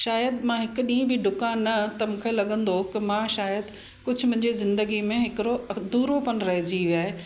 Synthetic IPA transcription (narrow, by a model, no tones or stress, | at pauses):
ʃaːjəd̪mãɦɪkʊ̆ɗĩːə̃bɪɖʊkãːnːɐt̪ɐmʊ̃kʰelɐɠə̃nd̪okɪmãʃaːjəd̪ | kʊd͡ʑʱʊmʊ̃ɪ̃ɲd͡ʑizɪ̃nd̪əɡimẽɦɪkɪɾod̪uːɾopɐñɾɐɦɪd͡ʑiʋjaːɦe